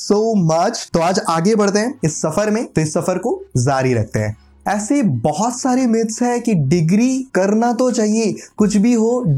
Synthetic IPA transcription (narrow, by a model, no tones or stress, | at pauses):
soːmɐt͡ʃt̪oaːd͡ʒaːɡebɐɽ̤t̪eɦɛ̃ɪsːɐfəɾmẽt̪oɪsːɐfəɾkozaːɾiɾɐ̰k̚ʰt̪eɦɛ̰̃ː | ɛːsebɔɦɔt̪saːɾemɪt̪sɦɛkiɖɪɡɾikɐɾnat̪ot͡ʃaːɦiekʊt͡ʃʰbʱiɦoː